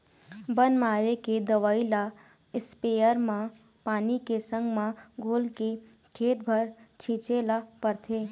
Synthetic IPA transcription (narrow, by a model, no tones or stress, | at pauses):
bənmaːɾeked̪əʋaːila | ɪspeːjəɾmã | paːnikesə̃ŋɡmãɡʱoːlke | kʰeːʈ̚bʱəɾt͡ʃʰĩːt͡ʃelapəɾt̪ʰeː